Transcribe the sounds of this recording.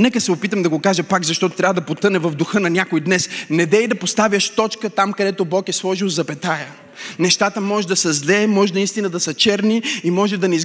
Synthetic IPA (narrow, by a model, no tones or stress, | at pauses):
nɛkəsɛopit̪əmd̪ɐɡokaʒɐpakzɐʃt̪ɔt̪o̥t̪ɾʲavəd̪ɐpot̪ɤnɛvɐvd̪ʊxɤnɐnʲjakoid̪nɛsnɛd̪ɛid̪ɐpost̪avʲjəʃt̪ɔt͡ʃkət̪amkɐd̪ɛt̪obɔkɛslˠɔʒiwzɐpɛt̪ajə | nɛʃt̪at̪əmɔʒɛd̪ɐsɐzlɛmɔʒɛnɐist̪inəd̪ɐsɐt͡ʃɛɾniimɔʒɛd̪ɐnɛiz